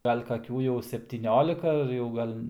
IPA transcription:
ˈɡɐlʲ kɐˈkʲuː jɛʊ sʲɛpʲtʲiːˈnʲoːlʲɪkɐ ɐr jɛʊ ˈɡɐlʲ

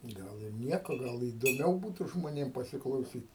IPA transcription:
ˈɡɐlˠ ɪr ˈnʲiɛkoː ˈɡɐlˠ iːdoːˈmʲɛʊ ˈbuːtʊ ʒmoːˈnʲeːm pɐsʲɪklˠɐʊˈsʲiːtʲ

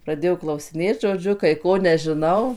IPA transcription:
prɐˈdʲeːjoː klˠɐʊsʲɪˈnʲeːt ʒoːˈd͡ʒʲʊ kɐɪ ˈkoː nʲɛʒʲɪˈnɐʊ

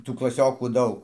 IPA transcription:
ˈtuː klˠɐˈsʲoːkuː ˈdɐʊk

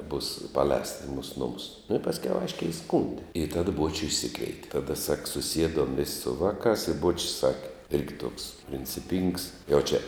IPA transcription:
buːs pɐˈlʲɛːstɐ ɪ muːs ˈnʊmʊs nʊ ɪ pɐsʲˈkʲɛʊ ˈɐɪʃʲkʲɛɪ ɪˈskuːnʲdʲɪ ɪ tɐt ˈbuɔt͡ʃʲʊ ɪʃʲˈsʲɪkʋʲɛɪtʲɛ tɐˈdɐ sɐk sʊˈsʲiɛdoːm ʋʲɪsʲ sʊ ˈʋɑːˌkɑːs ɪ ˈbuɔt͡ʃʲɪs ˈsɑːkʲɛ ˈɪrʲɡʲɪ tuɔks pʲrʲɪnʲt͡sʲɪˈpʲiːŋks jɛʊ t͡ʃʲɛ

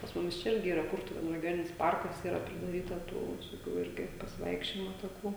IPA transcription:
pɐs ˈmʊmʲɪs t͡ʃʲɛ ˈɪrʲɡʲɪ ˈiːrɐ ˈkʊrtʊʋʲeːnʊ rʲɛɡʲoːˈnʲɪnʲɪs ˈpɐrkɐs ˈiːrɐ pʲrʲɪdɐˈrʲiːtɐ ˈtuː ʋʲɪsoːˈkʲuː ˈɪrʲɡʲɪ pɐsʲɪˈʋɐɪkʃʲt͡ʃʲoːjɪmoː tɐˈkuː

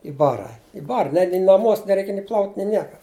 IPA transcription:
ɪ ˈbɑːrɐ ɪ ˈbɑːrɐ nʲɛ nʲɪ nɐˈmuɔs nʲɛˈrʲɛɪk nʲɪ plˠɐʊtʲ nʲɪ ˈnʲiɛkɐ

